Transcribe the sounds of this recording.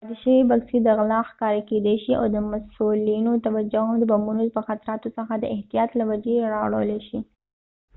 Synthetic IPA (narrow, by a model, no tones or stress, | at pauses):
d̪ɪʃəwibaɡsid̪əɣlɑxkɑɾaked̪eʃiʔa̰wd̪əmasulinot̪awad͡ʒad̪əbambunopəxat̪aɾɑt̪osəxad̪əɪht̪ijɑt̪lawad͡ʒeɾɑwɽə̰wleʃi